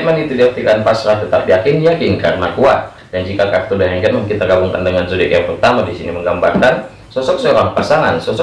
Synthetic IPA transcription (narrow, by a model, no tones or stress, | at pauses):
manit̪udiak̚t̪ikanpasɾaht̪ət̪apjakɪndijakɪnkarnmakuat̪̚ | dand͡ʒikakak̚t̪ɔdaɦɛŋɡɛt̪məŋkit̪aɡabuŋkandəŋanzudɪkjaŋpərt̪amadisiniməŋɡambarkan | sɔsɔk̚soɾaŋpasaŋa̰nsɔsɔ